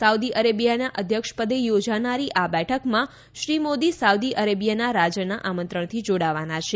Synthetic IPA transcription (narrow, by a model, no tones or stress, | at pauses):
saud̪iʔəɾebijanaʔəd̪ʱjəkʃpəd̪ejod͡ʒanaɾiʔabɛʈʰəkmã | ʃɾimod̪isawd̪iʔəɾebijanaɾad͡ʒənaʔamənt̪ɾəɳ̃t̪ʰid͡ʒoɽaʋanat͡ʃʰe